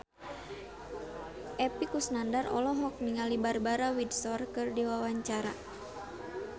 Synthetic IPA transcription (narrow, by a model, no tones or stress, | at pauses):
ʔɛpikusnandarɔ̰lɔɦɔk̚miŋalibarbaɾawidsɔrkɨrdiwawaɲt͡ʃaɾa